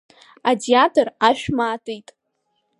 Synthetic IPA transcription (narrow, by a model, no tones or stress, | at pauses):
adiatʰʼoraʃᶣmaːtʼijtʼ